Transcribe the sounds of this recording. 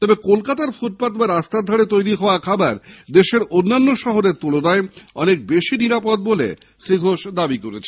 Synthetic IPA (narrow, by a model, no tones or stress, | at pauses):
t̪ɔbekolkat̪aɾfuʈ̚pat̪baɾast̪ad̪ʱɔɽet̪ojɾiɦɔoakʰabaɾd̪eʃeɾonːanːoʃɔɦoɾeɾt̪ulonaeɔnek̚beʃiniɾapod̪̚bolḛ | ʃɾiɡʱoʃd̪abikoɾet͡ɕʰe